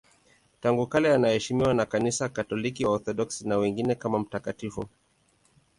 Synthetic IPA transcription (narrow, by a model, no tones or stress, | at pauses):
taŋɡukalɛanahɛʃimiwanakanisakatɔlikiwaɔɾθɔɗɔksinawɛŋɡinɛkamam̩takatifṵ